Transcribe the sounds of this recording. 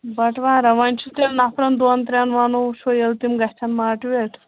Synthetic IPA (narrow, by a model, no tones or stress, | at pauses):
bɐʈʰʋãːɾɐʋanʲt͡ʃʰut̪enapʰɾɐnd̪ont̪ɾʲanʋanoʃʰojelt̪imɡɐht͡ʃʰɐnmaːʈʋeʈʰ